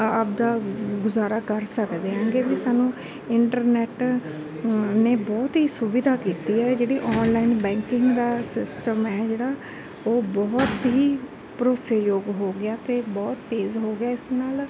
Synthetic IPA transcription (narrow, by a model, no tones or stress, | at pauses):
əp̚d̪aːɡʊzaːɾaːkəɾsəkd̪eːɦãːŋɡeːbiːsaːnũː | ɪɳʈəɾnɛːʈ | neːbɔːt̪ɦiːsʊbid̪aːkiːt̪iːɛːd͡ʒeːɽiːʔɔːnlaːinbɛ̃ːŋkɪ̃ŋɡd̪aːsɪsʈəmɛːd͡ʒeːɽaː | oːbɔːt̪ɦiː | pɾoːsejoːɡɦoːɡɪaːt̪eːbɔːt̪ːeːzɦoːɡɪaːɪsnaːl